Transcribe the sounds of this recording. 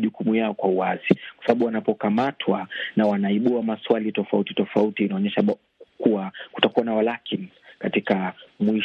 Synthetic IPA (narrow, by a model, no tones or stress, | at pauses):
ʄukumujaɔkwauwazikwasaɓaɓuwanapɔkamatʰwanawanaiɓuamaswalitɔfautitɔfautiːnaɔɲɛʃa | kuwaku̥takuwanawalakin | katikamwi